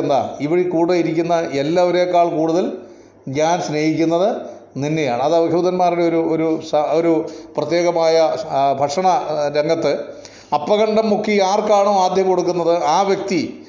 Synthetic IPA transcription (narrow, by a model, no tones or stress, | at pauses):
nd̪a̰ːiʋiɽikuːɽɐiɾikʲːunːɐʔe̞lːaːʋɐɾe̞ːkːaːɭkuːɽuðɐl | ɲaːnɕne̞ːhikʲːunːɐðɨ | ninːe̞jaːɳɨɐðɐʋɐɡʱjuːd̪ɐnmaːriɽeo̞ɾuoɾusɐoɾuprɐt̪je̞ːɣɐmaːjɐbʱɐkʂɐɳɐɾeŋɡɐt̪ːɨ | ɐpːɐɣɐɳɖɐmːukʰːiaːrkaːɳoːaːd̪ʱjɐmko̞ɽuk̬ːunːɐðɨaːʋjɐk̚t̪i